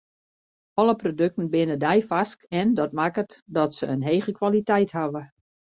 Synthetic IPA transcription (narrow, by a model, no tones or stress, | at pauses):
ɔləprodøk̚tən̩bɪnədɛjfaskɛndɔt̚makətdɔtsəənɦeːɣəkʋalitɛjthaʋə